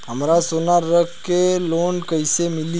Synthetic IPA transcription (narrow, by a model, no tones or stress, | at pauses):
ɦəmɾasonaɾəkkːeloːnkəisemɪli